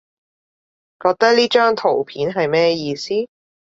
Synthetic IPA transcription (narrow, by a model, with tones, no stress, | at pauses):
kɔː˧k̚t̪ɐ˥k̚liː˥t͡ʃœː˥ŋt̪ʰo˨˩wpʰiː˨˥nɦɐ˨jmɛː˥jiː˧siː˥